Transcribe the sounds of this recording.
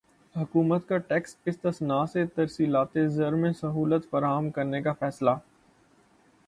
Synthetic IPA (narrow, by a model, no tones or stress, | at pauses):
ɦɐkuːmət̪kaʈɛːksɪst̪əsnaːset̪ɐɾsiːlaːt̪ezɐɾmẽsɐɦuːlət̪fɐɾaːɦəmkɐɾnekafɛːsla